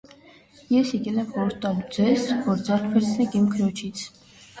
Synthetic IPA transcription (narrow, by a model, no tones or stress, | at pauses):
jɛsjɛkɛlɛmvɔɾt̪ɑlud͡zɛzvɔɾd͡zɛrkʰbʰɛɾt͡sʰnɛɡimkʰɾɔt͡ʃʰit͡sʰ